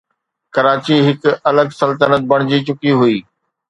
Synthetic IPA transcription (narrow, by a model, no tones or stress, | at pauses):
kɐɾaːt͡ɕiɦɪkɐləɡsɐlt̪ənət̪̚bɐɽ̃d͡ʑit͡ɕʊkiɦʊiː